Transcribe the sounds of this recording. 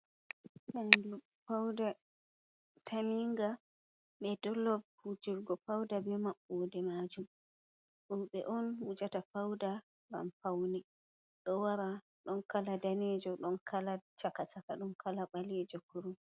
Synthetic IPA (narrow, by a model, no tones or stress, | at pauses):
ʔandu | fawda | tʰamiŋɡa | ɓɛdɔlːɔvhud͡ʒiɾɡɔfawdabɛmaɓːɔdɛmad͡ʒum | ɗuɓɛʔɔnwud͡ʒatafawda | ɡa̰mfawni | ɗɔwaɾa | ɗɔnkaladaned͡ʒɔɗɔnkʰalat͡ʃakatakaɗɔnkʰalaɓaled͡ʒɔkuɾum